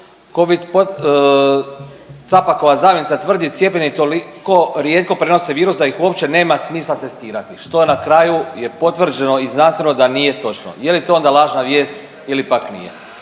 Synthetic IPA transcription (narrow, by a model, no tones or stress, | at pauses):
ko̞ʋid̪po | t̪sapako̞jazaːʋjenit̪at̪ʋr̩d̪it̪sje̞pʲeɲet̪o̞liko̞ɾje̞t̪̚ko̞pɾeno̞seʋiːɾusd̪aixuopt͡ʃe̞ne̞ːmasmiːslˠat̪e̞st̪iːɾat̪iʃt̪o̞enakɾajuje̞po̞t̪ʋr̩d͡ʒe̞no̞iznanst̪ʋeno̞d̪anije̞t̪o̞t͡ʃno̰je̞lit̪oo̞nd̪alˠaːʒnaʋje̞ːst̪ | ilipaknḭjḛ